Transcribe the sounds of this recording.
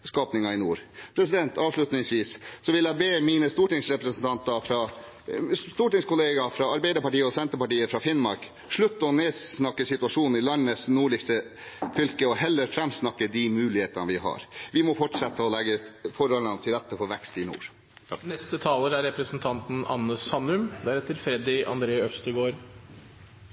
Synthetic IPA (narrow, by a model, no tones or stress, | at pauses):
skɑːpnɪŋɑɪnṵːɾpʰɾɛsɪd̪ɛnt̪ɑːʋʂɭʉt̪nɪŋsʋiːssɔʋɪljæɪbeːmiːnəst̪uːʈɪŋsɾɛpɾəsn̩t̪ʰɑnt̪ɑfɾɑː | st̪uːʈɪŋskʊleːɡɑfɾɑɑɾbæɪd̪əɾpɑʈiːəɔsɛnt̪əɾpɑʈiːəfɾɑfɪnmɑɾk | ʂɭʉt̪ːəɔneːsnɑkːəsɪt̪ʉɑʂuːnn̩ɪlɑnːəsnuːɭɪkst̪ə | fʏlkəɔhɛlːəɾfɾɛmsnɑkːəd̪imʉːlɪheːt̪ənʋɪɦɑ̰ɾʋɪmɔfɔʈʂɛt̪ːəɔlɛɡːəfɔɾhɔlːənət̪ʰɪlɾɛt̪ːəfɔɾʋɛkst̪ɪnṵːɾ | nɛst̪ət̪ʰɑːləɾæɾɛpɾəsn̩t̪ʰɑnt̪n̩ɑ̰nːəsɑnːʉmd̪æɾɛt̪ːəɾfɾɛd̪ɪɑ̰nd̪ɾeːœfst̪əɡoːɾ